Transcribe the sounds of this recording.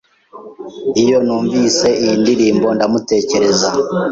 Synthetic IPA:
ijo̞nuːɱviːse̞iindiɾiːmbo̞ndamute̞ːce̞ɾe̞za

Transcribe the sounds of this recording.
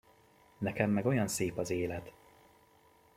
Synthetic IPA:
nɛkɛmːɛɡo̞jɒnseːpɒzeːlɛt̪

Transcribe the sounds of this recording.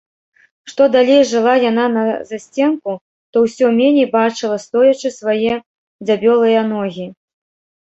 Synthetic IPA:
ʂt̪ɔd̪alʲejʐɨlˠajananɐzasʲt͡sʲɛnku | t̪ɔwsʲɔmʲenʲɛjbat͡ʂɨlˠɐst̪ɔjɐt͡ʂɨsvajɛ | d͡zʲabʲɔlˠɨjɐnɔɣʲi

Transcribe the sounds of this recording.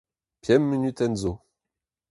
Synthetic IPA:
pʰjɛmːənyt̪ɛnzo

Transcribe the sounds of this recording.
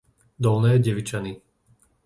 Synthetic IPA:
d̪ɔlnɛːɟɛʋit͡ʃani

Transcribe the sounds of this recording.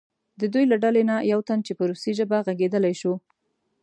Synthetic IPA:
d̪əd̪ujlaɖalenajawt̪ant͡ʃepəɾusiʒəbaɣaɡed̪əlajʃu

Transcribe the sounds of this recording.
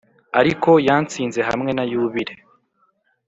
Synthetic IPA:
aɾiko̞jaːnt͡siːnze̞ɦa̰mŋe̞najuβiɾe

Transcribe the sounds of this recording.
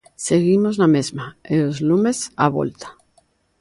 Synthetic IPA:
seɣimoznamezmaeozlumesa̰βo̰lt̪ḁ

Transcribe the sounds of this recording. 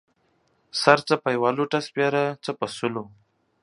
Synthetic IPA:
saɾt͡səpajwɑluʈaspʲjɑɾat͡səpasʊlo

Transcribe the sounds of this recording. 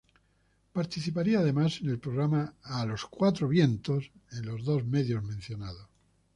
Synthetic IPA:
paɾt̪iθipaɾiaːðe̞mase̞ne̞lpɾoɣɾamaːlo̞skwat̪ɾoβje̞nt̪o̞senlo̞zðo̞zme̞ðjo̞zmẽn̟θjo̞nað̞os

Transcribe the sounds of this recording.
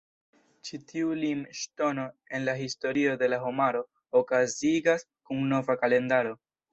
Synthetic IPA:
t͡ʃitʰiulimʃto̞no̞e̞nlaɦisto̞ɾio̞de̞laɦo̞maɾo̞ | okaziɡas | kuŋno̞vakale̞ndaɾo̞

